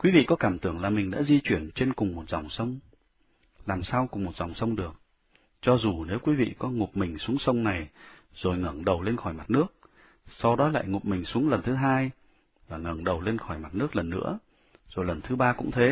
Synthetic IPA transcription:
kwi˨˦vḭ˧˨kɔ˨˦kaː˧˩mt̪ɨ˧˩əŋlaː˨˩mï˨˩ŋ̟ɗa̰ː˧˥zi˧t͡ɕwi˧˩ənt͡ɕe˧nkʊ˨˩ŋ͡mmo˨˩t̚za̰˨˩wŋ͡msə˧wŋ͡m | laː˨˩msaː˧wkʊ˨˩ŋ͡mmo˨˩t̚z̥a˨˩wŋ͡msə˧wŋ͡mɗɨ˨˩ək̚ | t͡ɕɔ˧zu˨˩ne˨˦wkwi˨˦vḭ˧˨kɔ˨˦ŋʊ˨˩p̚mï˨˩ŋ̟su˨˦əŋsə˧wŋ͡mna˨˩j | z̥o˨˩jŋə˧˩ŋɗə˨˩wle˧nxɔ˧˩jma˨˩t̚nɨ˦˥ək̚ | sa˧wɗɔ˨˦la̰ː˧˨jŋʊ˨˩p̚mï˨˩ŋ̟su˨˦əŋlə˨˩nt̪ʰɨ˨˦ɦaː˧j | vaː˨˩ŋə˧˩ŋɗə˨˩wle˧nxɔ˧˩jma˨˩t̚nɨ˦˥ək̚lə˨˩nːɨ̰˧˥ə | zo˨˩jlə˨˩nt̪ʰɨ˨˦ɓaː˧kʊ̰˧˥ŋ͡mt̪ʰe˨˦

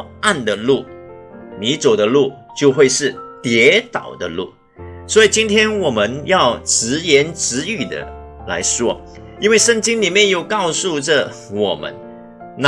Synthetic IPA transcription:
a˥˩nd̪ə˨lu˥˩ | ni˧˥t͡so˨˩ʊd̪ə˦lu˥˩t͡ɕjo˥˧ʊxwe˥˧ɪʂɻ̩˥˩t̪jɛ˧˥t̪ɑ̰˨˩ʊd̪ə˦lṵ˥˩ | swɔ˧˥i˨˩t͡ɕi˥nt̪ʰjɛ˥nwɔ˨˩mə˦njɑ˥˩ʊʈ͡ʂɻ̩˧˥jɛ˧˥nʈ͡ʂɻ̩˧˥y˨˩d̪ə̰˦ | la̰˧˥ɪʂwɔ˥ | i˥nwe˥˧ɪʂə˥˩ŋt͡ɕi˥ŋli˨˩mjɛ˥˧njo˥˩˧ʊkɑ˥˧ʊsu˥˧ʈ͡ʂə˨ | wɔ˨˩mə̰˦n | n

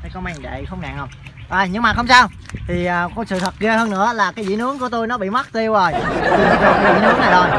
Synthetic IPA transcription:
jkə˧wma˧jŋɗḛ˧˨xə˧wŋ͡mna̰ː˧˨ŋhə˧wŋ͡mʔaː˧˩jɲɨ˧ŋŋ͡mma˨˩hə˧ŋ͡msaː˧w | t̪ʰi˨˩ʔəː˨˩kɔ˧˦sɨ̰˧˨t̪ʰə˨˩t̚ɣe˧həː˧nɨ̰˧˥əlaː˨˩kaː˨˦jzḭ˧˥˦nɨ˨˦əŋku˧˩˦ət̪o˧jnɔ˨˦ɓḭ˧˨ma˦˥t̚t̪i˧əwzo˨˩j̪tʰi˨˩˨zu˨˩˨zḭ˧˥nɨ˨˦˥əŋna˨˩jzo˨˩j

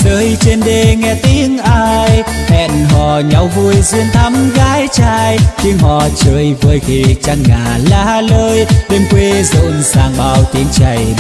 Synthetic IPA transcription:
zəː˨˦jt͡ɕe˧nɗe˧ŋɛ˧t̪i˧˦əŋʔaː˧j | hɛ̰˧˨nɦɔ̰˧˩ɲa˨˦wvu˧əjzi˧əŋt̪ʰa˨˦˥mɣaː˨˦jt͡ɕaː˧jt̪i˧əŋɦɔ̰˧˨t͡ɕəː˧˩jvəː˨˩jxḭ˨˩t͡ɕa˧ŋːaː˨˩laː˧˩a˧˩ləː˧jɗe˧mkwe˧zo̰˧˨nzaː˨˩ŋɓaː˨˩wt̪i˨˦əŋt͡ɕə˨˩j

